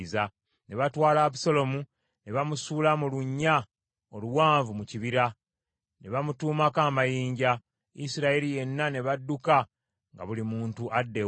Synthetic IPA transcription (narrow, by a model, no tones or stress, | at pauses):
za | ne̞βatwaːlaːβuso̞lo̞mu | ne̞βamusuːlamuluɲːa | oluwaːɱvumuciβiɾa | ne̞βamutuːmakaːmajiːɲɟa | isiɾaelije̞nːane̞βadːuka | ŋɡa̰βulimuːntuʔadːe̞